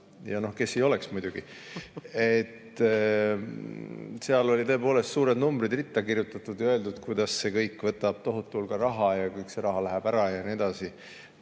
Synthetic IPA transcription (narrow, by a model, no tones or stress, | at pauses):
jɑno̞hke̞sːejo̞le̞ksmujd̪̥ʲuɡ̥i | et̪ː | seɑlo̞lʲit̪ɤ̞e̞po̞ːle̞st̪suːɾe̞d̪numbrid̪rit̪ːˑɑkirjut̪ːˑɑt̪ːˑud̪jɑøe̞ld̪ud̪̥kujd̪̥ɑsse̞kɤjkːˑvɤt̪ːˑɑb̥̚t̪o̞ɦut̪ːˑulkɑɾɑɦɑjɑkujkse̞ɾɑɦɑlæɦæb̥æɾɑjɑnie̞d̪̥ɑsi